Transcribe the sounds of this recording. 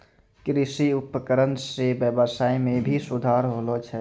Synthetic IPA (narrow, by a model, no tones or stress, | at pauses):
kɾɪsiʊpəkəɾənsebjəbəsaːimẽbʱisud̪ʱaɾɦolot͡ʃʰɛ